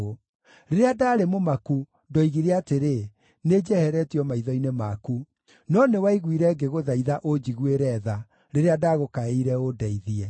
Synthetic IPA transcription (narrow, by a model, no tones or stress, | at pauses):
o | ɾeɾeadaːɾemomaku | ndɔiɣiɾɛateɾe | ned͡ʒɛhɛɾɛtiɔmaiðɔinemaku | nɔnewaiɣwiɾɛɡeɣoðaiðaʔod͡ʒiɣweɾɛða | ɾeɾeadaɣokaeiɾɛodɛiðiɛ